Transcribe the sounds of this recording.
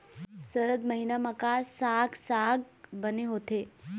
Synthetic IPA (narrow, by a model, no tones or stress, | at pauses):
səɾəd̪mɐɦinamɐkasaːɡsaːɡbəneɦoːt̪eː